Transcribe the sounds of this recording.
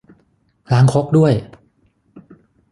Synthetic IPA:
laː˨˦˥ŋkʰo˦˥k̚du˥˩əj

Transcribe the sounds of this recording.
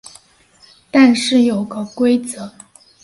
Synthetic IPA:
t̪a˥˧nʂɻ̩˥˩jo˨˩ʊɡə˧kwe˥ɪt͡sɤ˨˧˦

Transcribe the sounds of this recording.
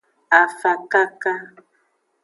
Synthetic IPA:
a˨fa˨ka˦ka˦

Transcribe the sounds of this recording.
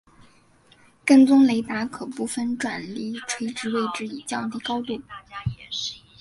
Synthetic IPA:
kə˥˩nt͡sʊ˥ŋle˧˥ɪt̪a˧˥kʰɤ˨˩pu˥˩fə˥˩nʈ͡ʂwa˨˩nli˥˩ʈ͡ʂʰwe˥ɪʈ͡ʂɻ̩˧˥we˥˧ɪʈ͡ʂɻ̩˥i˨˩t͡ɕjɑ˥˧ŋt̪i˥˩kɑ˥ʊt̪u˥˩

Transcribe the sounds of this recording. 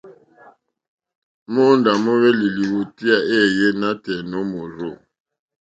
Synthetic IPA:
mo˦nda˨mo˦βɛ˦li˨li˨wo˨ti˦a˦ʔe˦˨je˦na˦tɛ˨no˦mo˨zo˦˨

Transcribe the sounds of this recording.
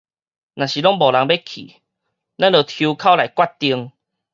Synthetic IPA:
nã˨˩ɕi˨˩lɔ˦ŋbɔ˨˩la˨˧˦ŋbe˦kʰḭ˨˩ | la˦nləː˨˩t̪ʰju˧kʰa˥˦wla˨jkwa˥˨t̚t̪i˧əŋ

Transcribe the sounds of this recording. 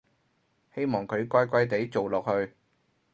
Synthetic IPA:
he˥jmɔː˨˩ŋkʰɵ˨˧ɥkʷɐ˥jkʷɐ˥jt̪e˨˥jt͡so˨wlɔː˨k̚hɵ˧ɥ

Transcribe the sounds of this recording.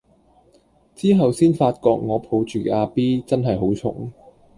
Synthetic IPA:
t͡siː˥ɦɐ˨wsiː˥nfaː˧t̚kɔː˧k̚ŋɔː˨˧pʰo˨˧wt͡ʃyː˨kɛ˧aː˧piː˥t͡sɐ˥nɦɐ˨jɦo˨˥wt͡sʰʊ̰˨˥ŋ

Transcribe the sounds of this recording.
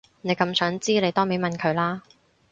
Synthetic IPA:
ne˨˧kɐ˧msœː˨˥ŋt͡siː˥le˨˧jt̪ɔː˥me˨˥mɐ˨nkʰɵ˨˧ɥlaː˥

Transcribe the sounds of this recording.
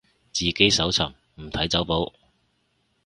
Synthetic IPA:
t͡siː˨ke˨˥jsɐ˨˥wt͡sʰɐ˨˩ŋ | m̩˨˩t̪ʰɐ˨˥jt͡sɐ˨˥wpo˨˥w

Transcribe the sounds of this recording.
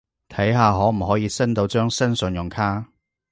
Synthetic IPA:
t̪ʰɐ˨˥jɦaː˨˧ɦɔː˨˥m̩˨˩ɦɔː˨˥jiː˨˧sɐ˥nt̪o˧wt͡ʃœː˥ŋsɐ˥nsɵ˨˧njʊ˨˩ŋkʰaː˥

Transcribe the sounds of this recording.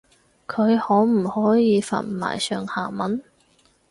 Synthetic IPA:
kʰɵ˨˧ɥhɔː˨˥m̩˨˩hɔː˨˥jiː˨˧fa̰ː˨˩nma̰ː˨˩jsœː˨ŋhaː˨˩mɐ˨˥n

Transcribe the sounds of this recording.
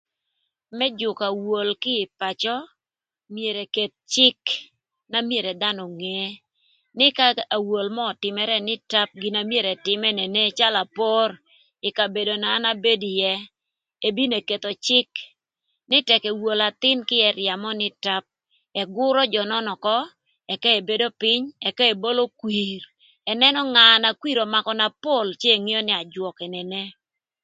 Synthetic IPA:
mɛ˦d͡ʒʊ˨ka˨wo˨lkɪ˦ɪ˨pa˨t͡ʃɔ˦ | mje˨ɾe˨ke˨t̪̚t͡ʃɪ˦k | na˦mje˨ɾɛ˨d̪a˦nɔ˨ŋe˦ | nɪ˦ka˦a˨wo˨lmɔː˦˨tɪ˨mɛ˨ɾɛ˦nɪ˦ta˦p̚ɡɪ˨na˨mje˦ɾɛ˨tɪ˨mɛ˦nɛ˨ne˦t͡ʃa˦la˨po˦ɾ | ɪ˨ka˨be˨do˨naː˨˦na˦be˦di˨jɛ˦ | e˦bi˦ne˨ke˨t̪o˨t͡ʃɪ˦k | nɪ˦tɛ˨kɛ˨wo˨la˨t̪ɪ˦nkɪ˦ɛ˨ɾɪja˨mɔ˦nɪ˦ta˦p̚ | ɛ˨ɡʊ˦ɾɔ˦d͡ʒɔ˨nɔ˦nɔ˨kɔ˦ | ɛ˨ka˦e˨be˦do˦pɪ˦ɲɛ˨ka˦e˨bo˦lo˦kwi˨ɾ | ɛ˨nɛ˦nɔ˦ŋa˨na˨kwi˦ɾo˨ma˨kɔ˨na˨po˦˨lt͡ʃe˦e˨ŋi˦ɔ˦nɪ˦a˨d͡ʒwɔ˨kɛ˨ne˨ne˦

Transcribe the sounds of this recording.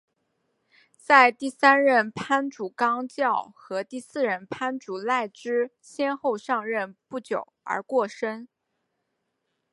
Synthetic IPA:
t͡sa˥˧ɪt̪i˥˩sa˥nɻə˥˩npʰa˥nʈ͡ʂu˨˩kɑ˥ŋt͡ɕjɑ˥˩ʊxɤ˧˥t̪i˥˧sɹ̩˥˩ɻə˧˥˩npʰa˥nʈ͡ʂu˨˩la˥˩ɪʈ͡ʂɻ̩˥ | ɕjɛ˥nxo˥˧ʊʂɑ˥˧ŋɻə˥˧npu˥˩t͡ɕjo˨˩ʊə̰˞˧˥kwɔ˥˩ʂə˥n

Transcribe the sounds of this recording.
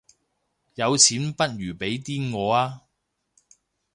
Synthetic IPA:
jɐ˨˧wt͡sʰiː˨˥npɐ˥t̚jyː˨˩pe˨˥jt̪iː˥nŋɔː˨˧aː˥

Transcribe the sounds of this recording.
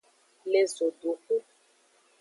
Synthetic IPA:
le˨zo˨du˨ku˦

